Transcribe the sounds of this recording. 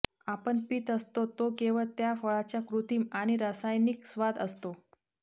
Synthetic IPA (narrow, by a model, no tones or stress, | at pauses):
apəɳpiːt̪əst̪ot̪okeʋəɭt̪jafəɭat͡ɕjakɾut̪iːmaɽ̃iɾasajniksʋad̪əst̪o